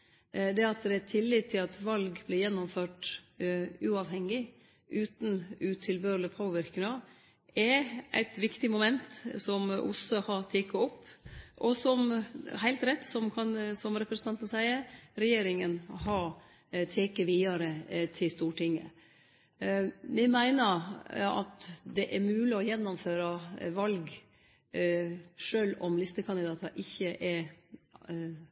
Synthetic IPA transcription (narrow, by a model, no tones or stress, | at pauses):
d̪ɛɑt̪d̪ɛæt̪ʰɪlːɪt̪ʰːɪlɑt̪ʋɑlɡblɪɾjɛnːɔmføːʈ | ʉɑʋɦɛŋːɪ | ʔʉːt̪n̩ʉːt̪ʰɪlbøːləpʰoːʋɪɾk̪ɪɑ | ɛʔæ̰ɪt̪ʋɪkt̪ɪmʊmɛnt̪sɔmʔɔ̰sɔhɑɾt̪ʰeːkəɔpːʔɔsɔmhæɪlt̪ɾɛt̪ːsɔmkʰɑnsɔmɾɛpɾəsəɑnt̪n̩sæɪəɾɛjeːɾɪŋənɦɑɾ | t̪ʰeːkəʋiːɑɾət̪ʰɪlst̪uːʈɪŋːə̰ | mɪmæɪnəɾɑ̰t̪d̪ɛʔæɾmʉːlɪɔjɛnːɔmføːɾɑʋɑlɡ | ʂøːlɔmlɪst̪əkʰɑnd̪ɪd̪ɑːt̪ɑɾʔɪçːəʔɛɾ